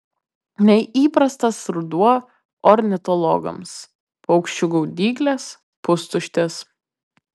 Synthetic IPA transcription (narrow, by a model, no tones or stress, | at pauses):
nʲɛʔiːpɾɐst̪ɐsɾʊd̪uɔ | ɔɾʲnʲɪt̪ɔlˠɔ̰ɡɐ̰ms | pɐʊkʃʲt͡ʃʲʊɡuːd̪ʲiːɡlʲɛs | pʊst̪ʊʃʲt̪ʲes